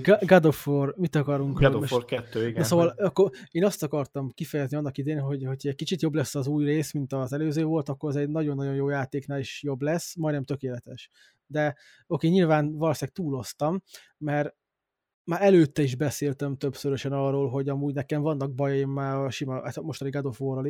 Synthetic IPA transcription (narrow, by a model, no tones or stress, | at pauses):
ɡɡɒd̪oformit̪ɒkɒɾuŋkkɛt̪ːøiɡ̪soːvɒlɒkːoeːnɒst̪ɒkɒrt̪ɒmkifɛjɛzniɒnːɒkid̪eːnɦo̞ɟho̞cʰɒɛɟ̚kit͡ʃit̪jo̞blɛsːɒzuːjreːsmint̪ɒzɛløːzøːvo̞lt̪ɒkːo̞ɾɒzɛɟnɒɟo̞nːɒɟo̞njoːjaːt̪eːknaːliʃjo̞blɛsːmɒjnɛmt̪ø̞keːlɛt̪ɛʃ | d̪ɛ | o̞keːɲilvaːnvɒlɒsinɛk̚t̪uːlo̞st̪ɒmː | ɛr | maːɾɛløːt̪ːɛiʒbɛseːlt̪ɛmt̪øbsøɾøʃɛnɒrːoːlɦo̞ɟɒmuːɟnɛkɛɱvɒnːɒɡ̚bɒjjeːmːaːɾɒʃimɒat̪mo̞ʃt̪ɒniɡɛd̪ofoːrɒl